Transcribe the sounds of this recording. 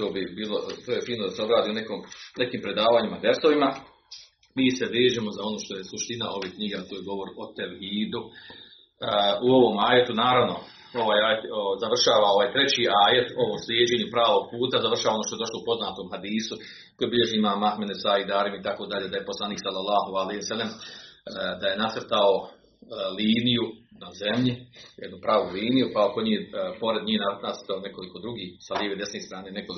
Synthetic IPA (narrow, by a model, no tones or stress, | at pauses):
t̪o̞ːbibiːlˠo̞t̪oːjefiːnod̪aseo̞bɾaːd̪ionekoːmne̞kiːmpɾe̞d̪aːʋaːɲimad̪ɾeɾso̞ʋima | miːseʋeːʒemo̞zao̞noːʃt̪o̞je̞suʃt̪inaʔo̞ʋeːkɲiɡet̪oːjeɡo̞ʋo̞ɾo̞t̪eɾhiːd̪u | uo̞ʋo̞maːje̞t̪unaːɾaʋno̞ | o̞ʋaːjaːjet̪ozaʋr̩ʃaːʋao̞ʋaːjt̪ɾet͡ɕiːʔaːjet̪o̞ʋoːmsljeːd͡ʑe̞ːɲupɾaːʋo̞ɡ̥̚puːt̪azaʋr̩ʃaːʋaonoːt̪oedo̞ʃlˠoupo̞znaːt̪oːmhad̪iːsu | kojebiʎe̞ʒeimaːmahmed̪esaːid̪aːɾimit̪ako̞ːd̪aʎed̪ajeposlˠaniːksalːalːaːɦoalejhosalːem | d̪aje̞nat̪rt̪ao | liːnijunaze̞mʎijed̪nupɾaːʋuliːnijukaokoɲiːpo̞ɾed̪ɲiːhnanat̪rt̪aone̞ko̞liko̞d̪ɾuɡiːhsaljeʋed̪esneːst̪ɾaːnene̞koli